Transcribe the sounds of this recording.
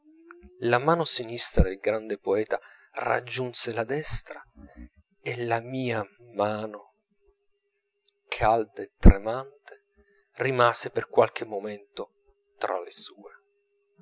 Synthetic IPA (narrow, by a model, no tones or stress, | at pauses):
lamaːnosinist̪ɾad̪elɡɾand̪epoɛːt̪ara̰d͡ʒːunselad̪ɛst̪ɾa | elamiːamaːno | kʰald̪aet̪ːɾemant̪e̥ | rimaːzeperkwalk̟emːoment̪o | t̪ɾa̰lesuːe